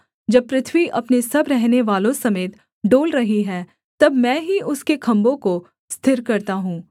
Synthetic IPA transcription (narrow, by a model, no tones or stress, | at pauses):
d͡ʒɐb̚pɾɪt̪ʰʋiʔɐpnesɐbɾɛɦneʋaːlõsɐmeːt̪ | ɖoːlɾɐɦiɦɛː | t̪ɐbmɛ̃ːɦiʊskekʰɐ̃mbõko | st̪ʰɪɾkɐɾt̪aɦũː